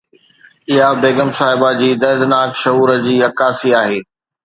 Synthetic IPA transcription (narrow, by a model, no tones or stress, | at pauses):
ɪɦabeːɡəmsaːɦɪbad͡ʑiːd̪ɐɾd̪ɪnaːkʃɐɦuːɾəd͡ʑiːɐkaːsiaːɦeː